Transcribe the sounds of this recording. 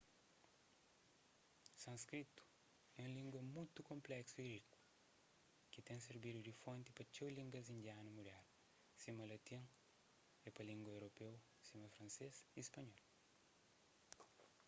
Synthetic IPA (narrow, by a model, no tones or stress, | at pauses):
sɐ̃nskɾit̪u̥ | ɛũlĩŋɡwɐmũjt̪ukõmplɛksuiɾiku̥ | kit̪ẽŋseɾbid̪ud̪ifõnt̪ipɐt͡ʃewlĩŋɡɐzĩnd̪ianɐmuɾaɾ | simɐlɐt̪ĩŋ | epɐlĩŋɡwɐewɾopew | simɐfɾɐ̃nsesispɐɲɔl